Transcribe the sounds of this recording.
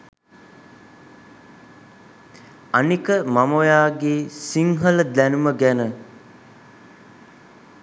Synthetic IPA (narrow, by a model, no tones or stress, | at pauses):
anikəmamojaːɡeːsiŋɦələd̪ænuməɡænə